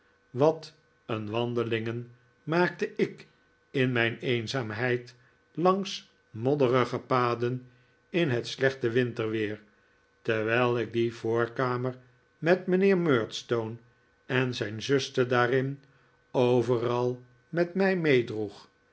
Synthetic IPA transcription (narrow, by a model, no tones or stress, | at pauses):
ʋɑt | ənʋɑnd̪əlɪŋən | maːk̚təʔɪk | ɪnmɛjnejnzaːmɦɛjt | lɑŋs | mɔdərəχəpaːdən | ɪnɦətslɛχtəʋɪntəɹʋɪːɹ | tɛʋɛlˠɪɡ̚divʊːɹkaːməɹ | mɛtmənɪːɹmøːɹtstown | ɛnzɛjnzɵstədaːrɪn | owvərɑlˠ | mɛtmɛjmejdruχ